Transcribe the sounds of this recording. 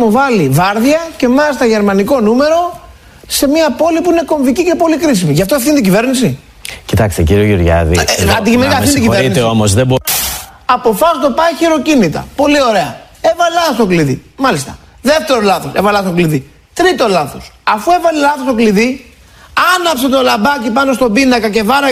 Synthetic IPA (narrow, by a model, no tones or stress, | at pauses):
movɐlivɐɾðiɐce̞mɐlist̪ɐʝe̞ɾmɐniko̞nume̞ɾo̞ | se̞miɐpo̞lipuine̞ko̞ɱvicice̞po̞likɾis̬imiʝɐft̪ofθint̪iɟive̞ɾnisi | cit̪ɐkst̪ḛciɾioʝuɾʝɐ̰ðḭɐnd̪icimeniiɐθint̪iɟivinit̪eomozðebo | ɐpo̞fɐst̪o̞pɐiçiɾo̞cinit̪ɐ̰po̞lio̞ɾe̞ɐ | e̞vɐlɐst̪o̞kliðḭmɐlist̪ɐ̥ | ðeft̪e̞ɾolɐθo̞sevɐlɐst̪o̞kliði | t̪ɾit̪o̞lɐθo̞sɐfue̞vɐlilɐθo̞st̪o̞kliði | ɐnɐpset̪o̞lɐbɐcipɐnost̪o̞binɐkɐce̞vɐɾɐ